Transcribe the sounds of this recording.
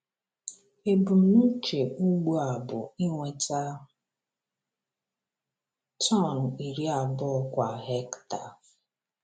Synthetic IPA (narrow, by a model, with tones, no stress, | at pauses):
e˨bu˨˦nu˦t͡ʃe˨u˦ɡ͡bu˦a˨bʊ̰˨i˦ŋʷe˨ta˦˨ | tɔ˦˨n̩˨i˨ɾi˦a˨bʊ˦kʷa˨ɦe˦kta˨